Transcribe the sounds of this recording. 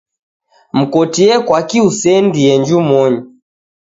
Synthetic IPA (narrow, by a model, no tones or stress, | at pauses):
m̩kɔtiɛkwakiusɛndiɛɲd͡ʒumɔɲi